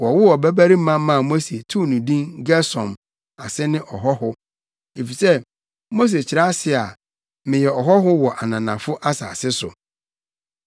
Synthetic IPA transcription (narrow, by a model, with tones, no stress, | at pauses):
wɔ˨wʊ˦wɔ˨bæ˦bæ˦ɾi˦m̩˦mã˦m˦mã˦˨mo˦se˨tʰu˦˨nũ˨dĩ˦nɡɛ˦sɔ̃˨m | a˨sɛ˦nɪ̃˦ʔɔ˨ɦɔ˦hʊ˦ | e˨fi˨sɛ˦ | mo˦s̬e˨st͡ɕʰɪ˨ɾa˦sɪ˦a˨ | mɪ̃˨jɛ˨ɔ˨ɦɔ˦ɦʊ˦wɔ˨ʔa˨nã˨nã˨fʊ˦ʔa˦sa̰ː˨sɪ˦sʊ̰˨